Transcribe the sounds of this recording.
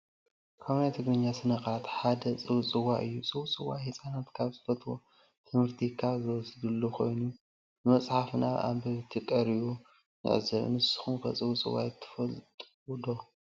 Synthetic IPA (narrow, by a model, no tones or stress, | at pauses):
kʰaβnajt̪ʰɨɡɾɨɲːasɨnɐkat̪ħad̪ɐt͡sʼɨwt͡sʼɨwaʔɨjːut͡sʼɨwut͡sʼɨwahisʼanat̪kʰaβzɨfɐt̪ʰwo̰ | t̪ʰɨmhɨɾt̪ʰikʰazɨwɔsɨd̪ɨlːokʰo̞jnu | bɨmɐt͡sʼħafna̰βʔa̰bɐβt̪ʰɨkʼɐɾiβu | nɨ̰ʕ̰zɐβ̰nɨsɨ̥xumkʰɐ̰t͡sʼɨwut͡sʼɨ̰wa̰jt̪ʰːfɐt̪ʼ | d̪o